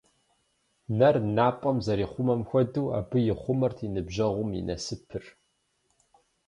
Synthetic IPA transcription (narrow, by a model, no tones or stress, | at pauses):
nɐrnaːpʼɐmzɐɾiːχʷʊmɐmxʷɔduːa̰ːbɨjɪχʷʊmɐrtʰinɨbʑɐʁʷʊmjḭnʔɐ̰sɨpʰɨr